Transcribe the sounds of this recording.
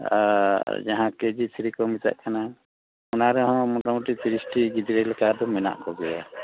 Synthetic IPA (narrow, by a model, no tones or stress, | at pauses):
a̰d͡ʒaɦãked͡ʒit̪ʰiɾikɔmit̪a̰ʔkʰana | unaɾɛɦɔ̃mɔʈamɔʈit̪ʰiɾisʈiɡid̪ɾɛlɛkad̪ɔmɛna̰ʔkɔɡɛja